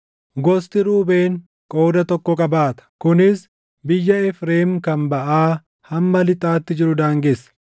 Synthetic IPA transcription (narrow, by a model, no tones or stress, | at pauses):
ɡɔst̪ɪɾuːbe̞ːŋ | kʼo̞ːd̪ɐt̪ɔkːɔkʼɐbaːt̪ɐ̥kʊnɪs | bɪjːɐɛfɾe̞ːmkɐmbɐʔaː | hɐmːɐlɪt̪ʼaːt̪ːɪd͡ʒɪɾʊd̪aːŋɡesːɐ̥